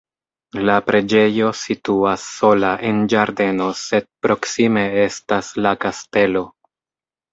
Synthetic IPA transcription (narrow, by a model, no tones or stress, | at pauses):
lapɾʔe̞d͡ʒe̞jo̞situasːo̞laʔe̞nd͡ʒaɾde̞no̞se̞d̚pɾo̞ksime̞e̞staslakaste̞lo̞